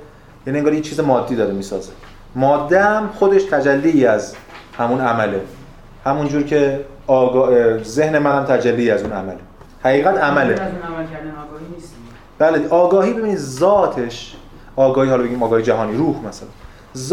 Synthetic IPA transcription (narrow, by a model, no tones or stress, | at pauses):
jæːnieŋɡɒːɾjet͡ʃʰiːzemɒːd̪ːiːd̪ɒːɾemiːsɒːze | mɒːd̪ːeæmxo̞d̪eʃt̪ʰæd͡ʒælːiiːæzhæmunæmæle | hæmund͡ʒuːɾcʰe̞ː | ɡːze̞hne̞mænhæmt̪ʰæd͡ʒælːiːæzunæ̰mæle | hæɣiːɣæt̪ʰæmæle | b̥æleʔɒːɡɒːhiːbe̞binid̪zɒːt̪ʰeʃ | ʔɒːɡɒːhiːhɒlɒbeɟiːmɒːɡɒːhied͡ʒæɦɒːniːɾuːhmæsælæn | z